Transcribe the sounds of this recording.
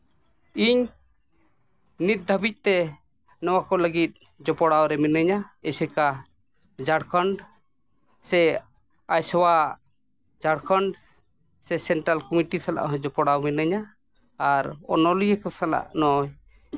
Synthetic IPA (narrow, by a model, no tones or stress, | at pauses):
iɲ | nit̪̚d̪ʱabic̚ˀt̪ɛ | nɔwakɔləɡit̪̚ | d͡ʒɔpɔɽawɾɛmɛnəɲaɛsɛka | d͡ʒaɽkʰɔɳɖ | sɛ | ajsɔwa | d͡ʒaɽkʰɔɳɖ | sɛsɛɳʈɾalkɔmiʈisala̰ʔɦd͡ʒɔpɔɽawmɛnəɲaː | ɾɔ̰nɔlijɛkɔsala̰ʔnɔj